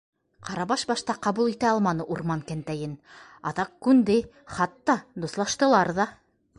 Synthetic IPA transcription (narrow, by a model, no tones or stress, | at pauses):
qɑɾɑβɑʃbɑʃt̪ɑqɑβulˠit̪æɑlˠmɑnɤʔuɾmɑŋkænt̪æjɘnɑ̰ðɑqkʉnd̪ɘ | χɑt̪ːɑd̪uslˠɑʃt̪ɤ̆lˠɑɾðɑ